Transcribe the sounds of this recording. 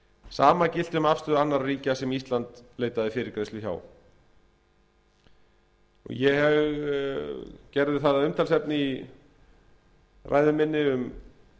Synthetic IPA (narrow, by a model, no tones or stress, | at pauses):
saːmacɪl̥t̪ʏmafst̪ʏðanːaɾriːcasɛmist̪lant̪leːjt̪aðɪfɪːɾɪɾkɾeːjst̪ʏça̰ːw | ɔ̰ɣjɛhɛɣ | cɛɾðɪθaðaʏmt̪ʰalsɛpnɪi | rʔa̰jðʏmɪnːɪʏm